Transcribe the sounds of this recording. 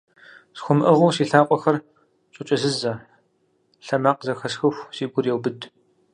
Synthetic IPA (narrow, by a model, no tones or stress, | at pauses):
sxʷʊmʔɐʁʊːsiːɬaːqʷʼɔxɐr | t͡ʃʷʼʊt͡ʃʼɐzɨzɐ | ɬɐmaːqʼzɐxɐsxɨxʷsiːɡʷʊrjɛwbɨdʰ